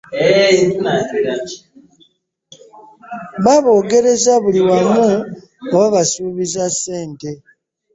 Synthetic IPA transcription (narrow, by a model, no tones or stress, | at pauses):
βaβo̞ːɡe̞ɾe̞zaβuliwamu | oβaβasuːβizasːe̞ːnte̞